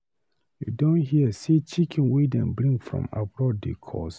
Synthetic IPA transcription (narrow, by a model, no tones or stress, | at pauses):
jṵdõnɦiəsit͡ʃikʰĩnwedɛ̰̃nbɾĩŋɡfɹɔ̰̃ma̰bɹɔddekʰɔ̰s